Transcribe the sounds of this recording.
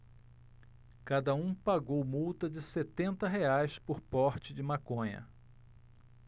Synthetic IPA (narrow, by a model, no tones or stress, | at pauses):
kad̪ɐũpaɡowmuwt̪ɐd͡ʒɪset̪ẽnt̪ɐɦeajspʊɾpɔɾt͡ʃɪd͡ʒɪmakõɲɐ̰